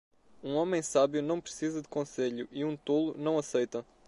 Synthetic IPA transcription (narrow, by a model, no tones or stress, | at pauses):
ũɔmẽj̃saβjunɐ̃w̃pɾɨsizɐd̪ɨkõseʎuʔiũt̪olˠunɐ̃w̃ɐsejt̪ɐ